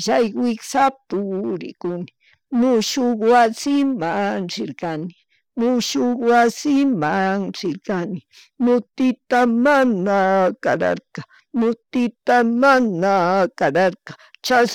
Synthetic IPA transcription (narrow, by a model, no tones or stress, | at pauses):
ʃajwɪksapʊɾɪ̰kʊnɪ | mʊʃʊkwasɪmaŋɾɪɾkanɪ̥ | mʊʃokwasɪmaŋɾɪɾkanɪ | mʊt̪ɪt̪amanakaɾa̰ɾqa | mʊt̪ɪt̪amanakaɾaɾkḁt͡ʃas